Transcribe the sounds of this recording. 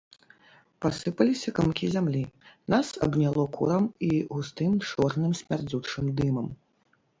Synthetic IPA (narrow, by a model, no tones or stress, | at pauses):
pasɨpɐlʲisʲɐkamkʲizʲamlʲinasɐ̰bnʲalˠɔkṵɾɐmiɣust̪ɨmt͡ʂɔrnɨmsʲmʲard͡zʲut͡ʂɨmd̪ɨmɐm